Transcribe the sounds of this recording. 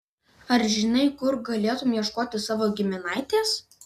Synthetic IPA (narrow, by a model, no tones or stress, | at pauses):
ɐɾʒʲɪnɐɪkʊɾɡɐlʲeːt̪ʊmjiɛʃkoːt̪ʲɪsɑːʋoːɡʲɪmʲɪnɑɪt̪ʲeːs